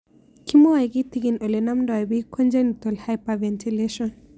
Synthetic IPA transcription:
kʰimowajɡit̪ikinolenamndɔajbikʰond͡ʒanit̪olhajpavɛntʰileʃɔn

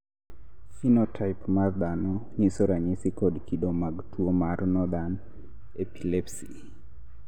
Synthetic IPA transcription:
finɔtʰajpmaɾd̪anɔɲisɔɾaɲisikɔdkidɔmaɡtuɔmaɾnɔd̪an | epilɛpsi

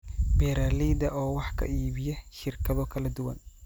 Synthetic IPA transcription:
bɛɾaːliːd̪ɐʔɔːwɑħkʰɐ̰iːβɪjɛʃɪrkʰɐðɔkʰɐlɐd̪ʊwɐ̰n

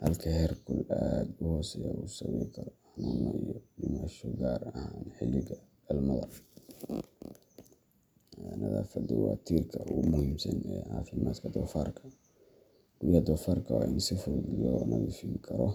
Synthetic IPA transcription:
hɐlkʰɐhɛrkʰʊlad̪ʊhɔːsɛjausɐwɛkʰɐɾħnʊnɐijɔdɪmaʃɔɡaːrɐhaːnħɪlɪɣɐ | ɐlmɐðɐr | ɛnɐðaːfɐd̪ɔwɑt̪ʰiːrkʰɐʊmʊhiːmsɐnɛːʕɑːfɪmaːd̪kʰɐd̪ɔːfaːrkʰɐ | ɡ̥ʊjɐd̪ɔːfaːrkʰɐwaːʔɪnsɪfɔðjɔɔːnɐwɪfiːmkʰɐɾɔ

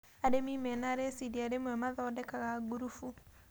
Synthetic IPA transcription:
aɾemiːmɛnaːɾesidiaɾemwɛmaðɔːdɛkaɣaɡuɾufu

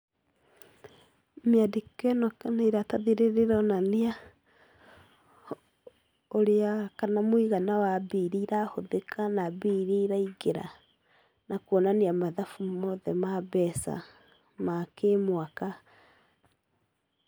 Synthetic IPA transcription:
meadikɛnɔkanaiɾataðiɾeɾeɾɔnanea | oɾeakanamwiɣanawabiɾiɾahoðekʰanabiɾiɾaiɡeɾa̰ | nakwonaneamaðafummɔðɛmaβɛsa̰ | makemwaka

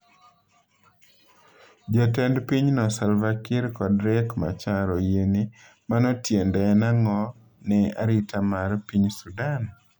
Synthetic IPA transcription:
d͡ʒɔtɛndpiɲnɔsalvakɪɾkɔdɾɛkma̰t͡ʃaɾɔjeni | manɔtjendɛnaŋɔ | nɛa̰ɾitʰamarpiɲsudan

